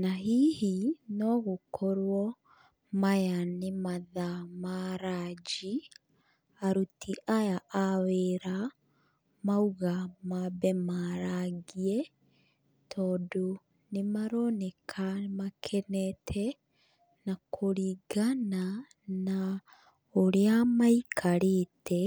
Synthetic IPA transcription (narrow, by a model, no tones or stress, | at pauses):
naɦiːhinɔɣokʰoɾwɔ | majanemaðamaɾad͡ʒi | aɾutʰiʔajaʔaweɾa | mauɣamabɛmaɾaɣiɛ | tʰɔːdo | nemaɾɔnɛkʰamakʰɛnɛtʰɛ | nakʰoɾiɡana | na | oɾeamaikʰaɾetʰɛ